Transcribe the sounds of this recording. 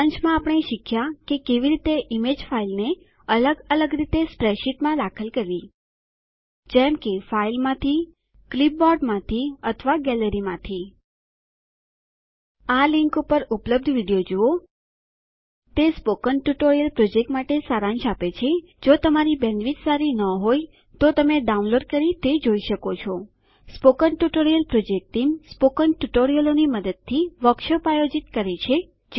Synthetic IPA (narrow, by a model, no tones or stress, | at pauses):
ant͡ʃmãapəɳ̃eʃɪkʰjakekeʋiɾit̪eʔimed͡ʒfailne | ələɡələɡɾit̪espɾeʃiʈmãd̪akʰəlkəɾʋi | d͡ʒɛmkefailmãt̪ʰi | klip̚bɔɖmãt̪ʰiət̪ʰəʋaɡɛləɾimãt̪ʰi | aliŋkupəɾupləb̚d̪ʱʋiɽijod͡ʒuo | t̪espokənʈuʈoɾijəlpɾod͡ʒek̚ʈmaʈesaɾãnʃapet͡ʃʰe | d͡ʒot̪əmaɾibɛ̃nd̪ʋit̪saɾinəɦoj | t̪ot̪əmeɖaũnloɖkəɾit̪ed͡ʒoiʃəkot͡ʃʰo | spokənʈuʈoɾijəlpɾod͡ʒek̚ʈimspokənʈuʈoɾijəloniməd̪əd̪̚t̪ʰːiʋəkʃopajod͡ʒit̪kəɾet͡ʃʰe | d͡ʒ